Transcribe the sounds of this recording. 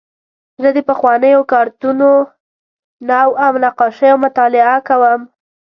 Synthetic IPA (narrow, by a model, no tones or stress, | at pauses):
zəd̪əpəxwɑnəjokɑɾt̪uno | nawawnaqɑʃəjomʊt̪ɑlɪakawəm